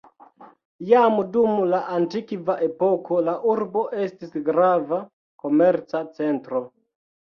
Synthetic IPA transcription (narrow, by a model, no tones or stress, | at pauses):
jamdumlaʔantikvaʔe̞po̞kʰo̞laʔuɾbo̞ʔe̞stisɡɾava | ko̞me̞ɾt͡sat͡se̞ntɾo̞